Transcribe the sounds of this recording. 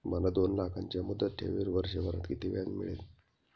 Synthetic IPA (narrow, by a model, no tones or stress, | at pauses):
malad̪onlakʰaɲt͡ɕjamud̪ːət̪ʰːḛʋiɾʋəɾʂeʋəɾa̰t̪kit̪iʋjaŋmḭɭḛt̪